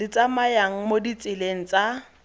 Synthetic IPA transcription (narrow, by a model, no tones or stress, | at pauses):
ɪt͡sʼamajaŋ̩modit͡sʼɪleŋ̩t͡sʼa